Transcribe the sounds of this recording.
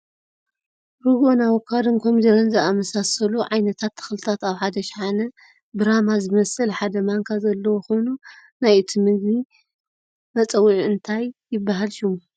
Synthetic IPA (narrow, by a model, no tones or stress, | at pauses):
ɾɨɡonawokʰad̪ɨnkʰomid̪ɐɾɐnzɨʔamɐsasɐluʕajnɐt̪ʰat̪ʰːɨ̥xlɨt̪ʰat̪aβħad̪ɐʃħanɐ | bɨɾamazɨmɐsɨlħad̪ɐmaŋkʰazɐlːɐwxonunajɨt̪ʰimɨɡbi | mɐt͡sʼɐwːiʕɨnt̪ʰajːɪbːaɦalʃumu